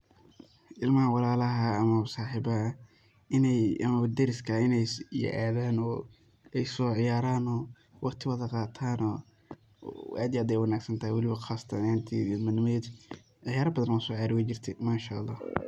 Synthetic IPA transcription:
ʔɪlmɐhɐwɑlaːlɐɦɐːmɐsɑːħɪbɐɦɐ | ɪnɛjɐmɐɐd̪ɛɾɪskʰɐɪnɛjɛ̰ʔaːðaːnɔː | ɛjsɔːʕɪjaːɾaːnɔː | wɑqt̪ʰɪwɐðɐqɑːt̪ʰaːnɔː | a̰ːd̪ɪjaːd̪ɛjwɑnaːɡsɐnt̪ʰɐhijwɑlɪβɐxɑst̪ʰɐnaːnt̪ʰḭːmɐnːɪmɛd̪ | ʕɑjaːɾɐbɐðɐnɔsɔːʕjaːɾɪwɐt͡ʃɪrt̪ʰɛmaːʃɐʔɑlˤːɑ̰ːh

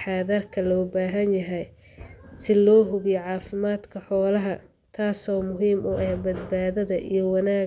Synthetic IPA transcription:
ħɑːðɐrkʰɐlɔːbaːɦɐnjɐɦɛj | sɪlɔːɦʊβɪjʕɑːfɪmaːd̪kʰɐħɔːlɐɦɐ | t̪ʰaːsɔːmʊɦiːmʊʔɐhbɐd̪̚baːðɐðɐʔḭjɔwɑnaː

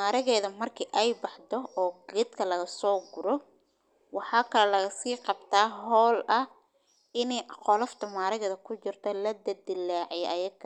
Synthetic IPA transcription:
maːɾɪɣɛːðɐmɐrkʰiːʔɛjbɑħd̪ɔɔːɡɛːd̪kʰɐlɐɣɐsɔːɡʊɾɔ | wɑħɑːkʰɐlɛlɐɣɐsiːqɑbt̪ʰaːɦɔːlɐ | ɪnɛjqɔːlɔft̪ʰɐmaːɾɪɣɛːðɐkʰʊt͡ʃɪrt̪ʰɐlɐd̪ɐd̪ɪlːaːʕjɛʔɐjɐɡkʰː

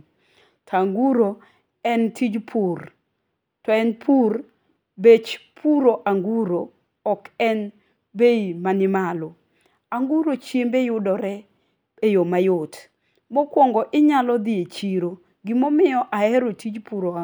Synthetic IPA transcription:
tʰaŋɡuɾo | ɛntʰid͡ʒpʰur | tɔɛnpʰur | bet͡ʃpʰuɾoʔaŋɡuɾo | ɔkɛn | beimanɪmalʊ | aŋɡuɾot͡ʃjembejʊdɔɾɛ | ejomajʊt | mɔkwɔŋɡɔʔɪɲalɔd̪ɪet͡ʃiɾo | ɡɪmɔmɪjɔʔaɛɾotid͡ʒpuɾo

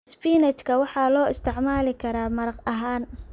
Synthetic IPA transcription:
spiːnɛt͡ʃkʰɐwɑħɑːlɔːɪst̪ʰɛʕmaːlɪkʰɐɾaːmɐɾɐqɐɦaːn

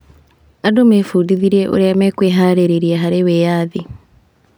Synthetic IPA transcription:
adomefudiðiɾeʔo̰ɾɛmɛkweːɦaːɾeɾeɾiaɦaɾewejaːði

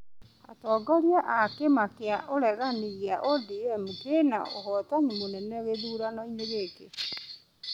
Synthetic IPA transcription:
a̰tɔɡaɣiaʔakemakeaʔoɾɛɣaniɣeaʔodiɛmukena̰o̰ɦɔtaɲimonɛnɛɣeðuːɾanɔineɣeke

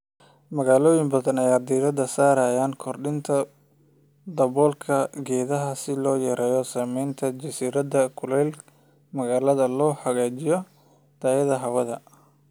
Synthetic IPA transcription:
mɐɣaːlɔːjɪŋbɐðɐnɐjaːd̪iːɾɐd̪ɐsaːɾɐjaːnkʰɔrɖɪnt̪ʰɐ | d̪ɐβɔːlkʰɐɡɛːðɐɦɐsɪlɔːjɛɾɛːjɔsaːmɛjnt̪ʰɐd͡ʒɐsiːɾɐd̪ɐkʰʊlɛl | mɐɣaːlɐðɐlɔːħɐɣaːt͡ʃɪjɔ | t̪ʰaːjɐðɐɦɐwɐðɐ

